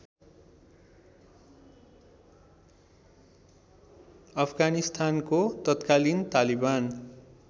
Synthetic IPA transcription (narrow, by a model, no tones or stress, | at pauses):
ʌpʰɡanist̪ʰankot̪ʌt̪kalint̪aliban